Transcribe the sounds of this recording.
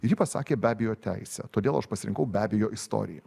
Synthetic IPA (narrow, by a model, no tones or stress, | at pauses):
ɾʲjiːpɐsɑ̰ːkʲeːbʲæːbʲejoːt̪ʲæɪsʲɛ̰t̪oːd̪ʲeːlˠɐʃpɐsʲɪɾʲɪŋkɐʊbʲæːbʲeːjoːʔɪst̪o̰ːɾʲɪ̰jɛ